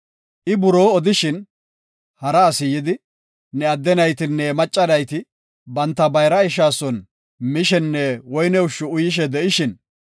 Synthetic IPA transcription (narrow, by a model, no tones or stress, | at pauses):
ʔɪbʊɾo̞ːɔd̪ɪʃɪn | hɐɾɐːsɪjɪd̪ɪ | nɛɐd̪ːɛnɐjt̪ɪnːɛmɐt͡ʃʼːɐnɐjt̪ɪ | bɐnt̪ːɐbɐjɾɐɪʃ̬aːsɔn | mɪʃɛnːɛwɔjnɛʊʃːʊʊjɪʃ̬ɛd̪ɛʔɪʃɪn